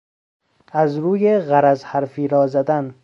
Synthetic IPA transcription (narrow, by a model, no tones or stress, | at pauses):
æzɾuːjeɣæɾæzhæɾfiːɾɒːzæd̪æn